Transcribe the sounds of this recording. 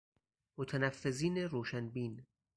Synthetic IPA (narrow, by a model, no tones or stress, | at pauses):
mot̪ʰænæfːeziːneɾoːʃænbiːn